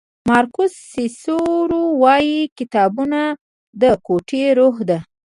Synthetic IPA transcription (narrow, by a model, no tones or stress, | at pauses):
mɑɾkʊsːisoɾowɑjikɪt̪ɑbuna | d̪əkoʈeɾoxd̪a